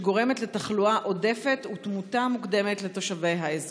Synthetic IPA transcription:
ɡo̞ʁe̞me̞tletaχluaʔo̞defetutmutamukde̞metleto̞ʃave̞jɦaez

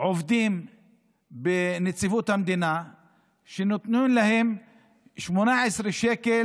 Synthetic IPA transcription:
ʕovd̪im | benet͡sivut̪hamd̪ina | ʃenot̪nunlahem | ʃmonaʕesɾiʃeke

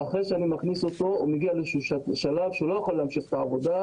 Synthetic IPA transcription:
aχʁejʃeanimaχniso̞t̪o̞umeɡialeʃuʃaʃalavʃeulo̞jaχolːeamʃiχe̥t̪aavo̞d̪a

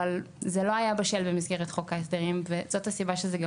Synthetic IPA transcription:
al | zelo̞ajabeʃelbemizɡeʁet̪χo̞kaes̬d̪eʁimvezo̞tasibaʃezeɡ

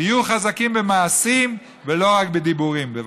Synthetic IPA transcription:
ijuχazakimbemaːsim | velo̞ʁakbed̪ibuʁimbev

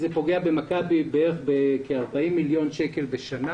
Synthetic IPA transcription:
zepo̞ɡeabe̞makabibeʁeχbekeaʁbaimːiljo̞nʃeke̞lbeʃana

